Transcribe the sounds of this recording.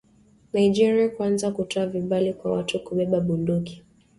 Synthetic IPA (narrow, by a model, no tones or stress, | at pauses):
naid͡ʒiɾiakwanzakutɔaviɓalikwawatukuɓɛɓaɓunduki̥